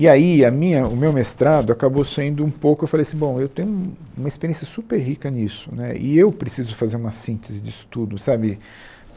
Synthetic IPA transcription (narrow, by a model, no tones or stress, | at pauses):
ɪaiɐmĩɲɐʊmewmest̪ɾad̪ʊakabosẽnd̪ʊũpowkʊewfalejasĩbõw̃ewt̪ẽjɲʊ̃ũũmɐispeɾiẽsjɐsupeɾɦikɐnisʊ̥nɛ̰ɪ̰ewpɾesizʊfazeɾũmɐsĩnt̪ezɪd͡ʒisʊ̥t̪ud̪ʊsabɪ